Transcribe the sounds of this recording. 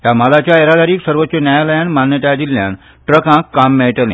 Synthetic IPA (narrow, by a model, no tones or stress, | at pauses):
t̪jam̤əlat͡ɕjaeɾad̪aɾiːksəɾʋot̪ːɕənjajaləjanmanjət̪jad͡ʑilːjã̰n | ʈɾəkãkːamːeɭʈəlḛ̃